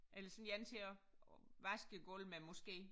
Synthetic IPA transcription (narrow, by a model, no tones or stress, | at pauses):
ʔelɐsɒ̽njænt͡sʰe̝ɒʋæsɡ̥əɡ̥ɔlmemɔsɡ̥e̝̰ː